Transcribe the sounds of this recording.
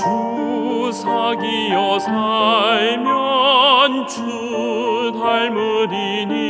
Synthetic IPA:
t͡ɕu | sʰaɡijʌsʰajmjɔnt͡ɕʰu | t̪ʰaɭmudi | ni

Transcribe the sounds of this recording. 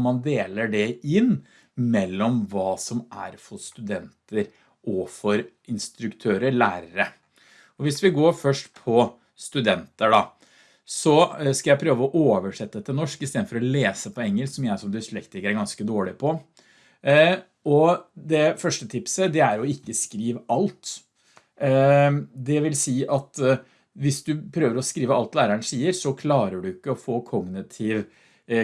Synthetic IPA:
mɑnd̪eːləɖɛɪnː | mɛlːɔmʋɑːsɔmʔæ̰ɾfɔɾst̪ʉd̪ɛnt̪əɾ | ʔɔfɔɾ | ɪnst̪ɾʉkt̪ʰøːɾəɾɭæːɾəɾə | ɔʋɪsʋɪɡoːɾfœʂʈpʰɔ | st̪ʉd̪ɛnt̪əɖɑ | sɔskɑljæɪpʰɾøːʋəɔʔoːʋəʂɛt̪ːəɛt̪ʰːənɔʂkɪst̪eːd̪fɔɾɔleːsəpʰɔɛŋːəlksɔmjæɪsɔmd̪ɪslɛkt̪ɪkəɾæɾɡɑnskəd̪oːɭɪpʰɔ | ɔd̪ɛfœʂʈət̪ʰɪpsəd̪ɛæɾɔɪkːəskɾiːʋəʔɑlt̪ | d̪ɛʋɪlsiːʔɑt̪ | ʋɪsd̪ʉpʰɾøːʋəɾɔskɾiːʋəɑlt̪læːɾəəɳsiːəɾsɔkʰlɑːɾəɖʉɪkːəɔfoːkʰɔɡnɪt̪ʰɪʋ

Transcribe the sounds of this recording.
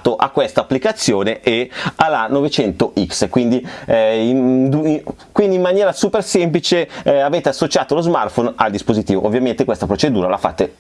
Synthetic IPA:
t̪oʔakwɛst̪aːpːlikat̪sːjoːneʔealanovet͡ʃɛnt̪oʔikskwind̪iind̪u | kwind̪iːmːanjɛːɾasuːpersemplit͡ʃeaveːt̪easːot͡ʃaːt̪olozma̰rt̪fonald̪ispozit̪iːvo̰ʔovːjament̪ekwest̪apɾot͡ʃed̪uːɾalafa̰t̪ːe

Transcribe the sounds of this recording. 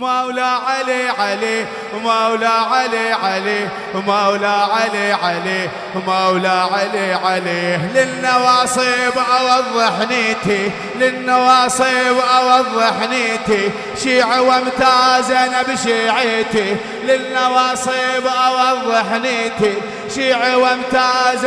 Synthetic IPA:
mawlaʕaleʕaleː | mawlaʕaleːʕaleː | mawlaːʕaleːʕaleː | mawlaʕaleːʕaleːhlɪnːɑwɑːsˤibʔɑwɑðˤːɨħniːt̪i | lɪnːɑwɑːsˤibʔɑwɑðˤːɨħniːt̪i | ʃiːʕwamt̪azenabɪʃiːʕɪt̪i | lɪnːɑwɑːsˤiːbʔɑwɑðˤːɨħniːt̪i | ʃiːʕawamt̪az

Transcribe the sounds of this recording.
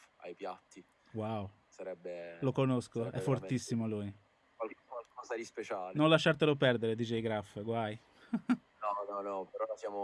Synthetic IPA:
a̰jpjat̪ːi | waw | saɾɛbːelokonoskoɛ̰fːort̪isːimoluj | kwakwalkɔːzad̪ispet͡ʃaːlnonlaʃːart̪elopɛrd̪eɾed̪iːt͡ʃeiɡɾafːɡwaj | nɔnɔnɔpeɾɔlasjaːmo

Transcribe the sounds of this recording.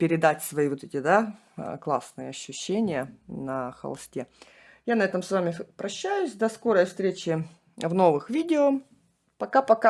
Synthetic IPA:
pʲɪɾʲɪd̪atʲsvɐivot̪ɛtʲɪd̪a | klˠasnɨjəɐɕːʉɕːenʲɪjənɐxɐ̰lˠsʲtʲe | janɐɛt̪əmsvamʲɪpɾɐɕːæjʊsʲd̪ɐsko̞ɾəjfst̪ɾʲet͡ɕɪ | vno̞vɨxvʲidʲɪo | pɐkapɐka

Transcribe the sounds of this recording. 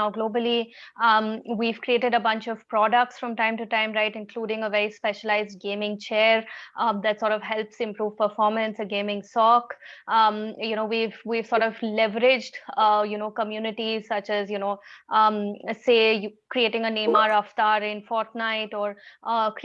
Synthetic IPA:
naʊɡloːbəli | ʋiʋkɾieːʈɪɖəbʌ̃nt͡ʃɔʋpɾɔːɖək̚ʈsfɾʌ̃mʈãɪ̃mʈuʈãɪ̃mɾaɪʈɪ̃nkluːɖɪ̃ŋəʋɛɾispɛʃəlaɪzɖ̚ɡẽːmɪ̃ŋt͡ʃeːɾd̪æʈsɔːɾʈɔʋɦɛlpsɪ̃mpɾuːʋpəɾfɔːɾmə̃nsəɡẽːmɪ̃ŋsɔːk | junoːʋivʋiːʋsɔːɾʈɔvlɛʋəɾɪd͡ʒɖjunoːkəmjuːnɪʈizsʌt͡ʃɛzjunoː | seːjkɾieːʈɪ̃ŋəneːmaːɾaft̪aːɾɪ̃nfɔːɾʈnaɪʈɔːɾ

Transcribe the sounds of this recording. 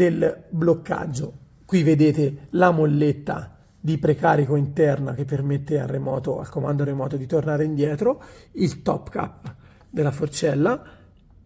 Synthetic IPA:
d̪elblokːa̰d͡ʒːo | kwived̪eːt̪elamolːet̪ːa̰ | d̪ipɾekaːɾikoint̪ɛrna̰k̟epːermet̪ːea̰rːemɔːt̪oa̰lkomand̪oɾemɔːt̪od̪it̪ornaːɾeind̪jɛːt̪ɾoilt̪ɔpːka̰pː | d̪elːafort͡ʃɛlːa

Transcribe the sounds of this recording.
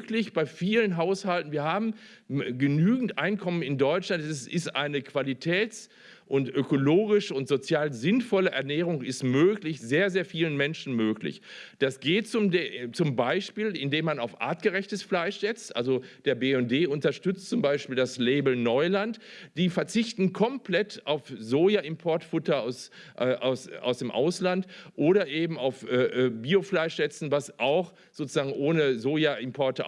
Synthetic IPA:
klɪçb̥aɪfiːlənɦaʊshaltn̩viːɐhaːbm̩ | ɡənyːɡŋ̩tʔaɪnkʰɔmənɪndɔʏt͡ʃlantɛsɪstʔa̰ɪnəkv̥alitʰɛːt͡s | ʔʊntʔøkoloːɡɪʃʊntz̥ot͡sjaːlzɪnfɔləʔɛɐnɛːʁ̞ʊŋɪstmøːklɪçzeːɐzeːɐfiːlənmɛnʃn̩møːklɪ̰çd̥asɡ̥eːtt͡sʊmt͡sʊmbaɪʃpiːlɪndeːmanaʊfʔa̰ːɐt̚ɡ̥əʁɛçtəsflaɪʃz̥ɛt͡stʔa̰lzod̥eːɐbeːɛndeːʔʊntɐʃtʏt͡stt͡sʊmbaɪʃpiːldaslɛːbl̩nɔʏlantd̥iːfɛɐt͡sɪçtn̩kʰɔmplɛtaʊfzoːjaʔɪmpʰɔɐtfʊtɐa̰ʊsʔɛːʔa̰ʊsʔa̰ʊsd̥eːmʔa̰ʊslantʔoːɾɐʔeːbm̩aʊfʔɛːʔːbiːoflaɪʃz̥ɛt͡sn̩vasʔaʊx | z̥oːt͡suzaːɡŋ̩ʔoːnəzoːjaɪmpʰɔɐtə

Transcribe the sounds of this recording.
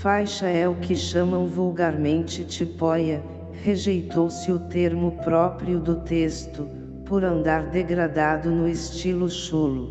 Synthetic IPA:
fajʃɐɛʊkɪʃɐ̃mɐ̃w̃vuwɡaɾmẽnt͡ʃɪt͡ʃipɔjɐ | heʒejt̪owsɪʊt̪eɾmʊpɾɔpɾiʊd̪ʊt̪est̪ʊ | poɾɐ̃nd̪aɾd̪eɡɾad̪ad̪ʊnʊɪst͡ʃilʊʃulʊ

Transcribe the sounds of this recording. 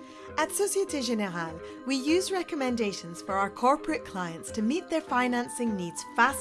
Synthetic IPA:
ʔətsosietɪʒɛnɛʁal | wijʉːzɹɛkəmɛ̃ndeʃə̃nz̥fə˞aʊə˞kʰɔɹpɹəʔkʰl̥aɪə̃ntstʰəmiʔðə˞fãɪnãnsɪ̃ŋnidz̥fas

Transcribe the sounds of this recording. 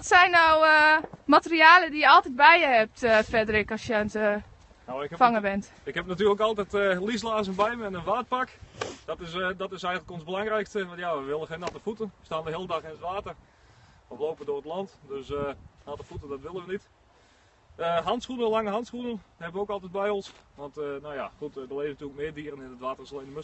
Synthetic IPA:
ɔtsɛjnːaw | matəriaːlədijəɔlˠtɛt̚bɛjəhɛp̚tfɛdərɪkɔsjəntə | nowɪkfaŋəbɛnt | ɪkhɛpnatyːləkɑlˠtɛtəlislaːzənbɛjməɪnənʋaːt̚pakd̥ɔtɪsdɔtɪsɛjɣənələkonzbəlɑŋrɛjkstəʋɑnjaʋəʋɪlˠəxeːnatəfutənʋəstaːndəɦɪːəlˠədɑxɪnətʋaːtər | ɔflowpəndʊːrətˡlɑntdøsənaːtəfutədɔtʋɪlˠənʋənit | əɦɑntsχunəlaŋəɦɑntsχunənhɛbəʋəowkɑlˠtɛt̚bɛjɔnsʋɑntnowja̰χutdəleːvənatyələkmɪːdiərənɪnətʋaːtərɪsalejndəmøs

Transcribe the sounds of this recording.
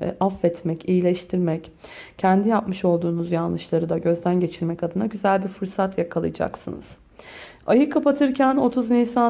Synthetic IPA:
ʔafːɛt̪mɛcijilʲɛʃt̪ʰiɾmɛc | cʰɛnd̪ijapmɯʃo̞lˠd̪uːnuzjanlˠɯʃlˠaɾɯd̪aɟø̞zd̪ænɟe̞t͡ʃʰiɾmɛcad̪ɯnaɟyzælʲbiɾfɯɾsat̪jakʰalˠɯ̰jd͡ʒa̰ksɯ̰nɯ̰z̥ | ajɯkʰːapat̪ʰɯɾcʰæno̞t̪ʰuznisa

